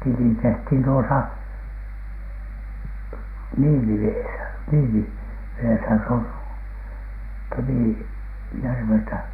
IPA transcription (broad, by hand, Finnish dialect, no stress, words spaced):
tili tehthin tuosɑ niːliʋeːsæ niːliʋeːsæ s oŋ kemiˑ jærʋeltæ